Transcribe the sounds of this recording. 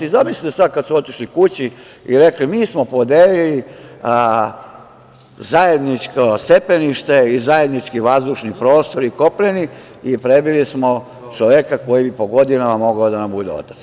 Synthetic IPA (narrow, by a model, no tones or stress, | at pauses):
izamislit̪esad̪̚kad̪suo̞t̪iʃlikut͡ɕi | iɾe̞klimiːsmo̞po̞d̪eːlili | zajed̪nit͡ʃkost̪e̞peniʃt̪e̞izaje̞d̪nit͡ʃkiʋazd̪uʃnipɾo̞ːst̪o̞ɾiko̞pleni | ipɾe̞bilismo | t͡ʃoʋekako̞jibipo̞ɡo̞d̪inamamo̞ɡaod̪anambud̪eo̰t̪ḁts